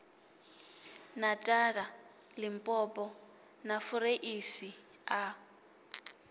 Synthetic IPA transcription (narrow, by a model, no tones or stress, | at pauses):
natʼaɺa | lɪmpʼɔpʼɔ | nafuɾeʔisia